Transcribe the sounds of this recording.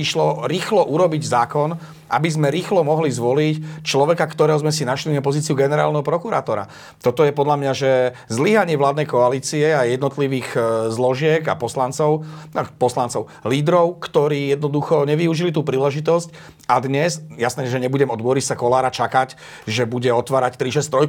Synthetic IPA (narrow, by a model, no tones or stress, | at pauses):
iʃlɔɾiːxlɔʔuɾɔbiɟzaːkɔn | ʔa̰bizmɛɾiːxlɔmɔɦlizʋɔlict͡ʃlɔʋɛkakt̪ɔɾɛːɦɔzmɛsinaʃlinapɔziːt͡siuɡɛnɛɾa̰ːlnɛɦɔpɾɔkuɾa̰ːt̪ɔɾa̰ | t̪ɔt̪ɔjɛpɔd̪lamɲaʒɛ | zliɦaɲɪɛʋlaːd̪nɛjkɔaliːt͡siɛajɛd̪nɔt̪liʋiːɣzlɔʒɪɛɡa̰pɔslant͡sɔʊpɔslant͡sɔʊ | liːd̪ɾɔʊkt̪ɔɾiːjɛd̪̚nɔd̪uxɔɲɛʋiuʒilit̪̬uːpɾiːlɛʒit̪ɔsc | ad̪ɲɛsjasnɛːjɛʒɛɲɛbuɟɛmɔd̪bɔɾisakɔlaːɾat͡ʃakac | ʒɛbuɟɛɔt̪ʋaːɾact̪ɾiʃɛst̪ɾɔj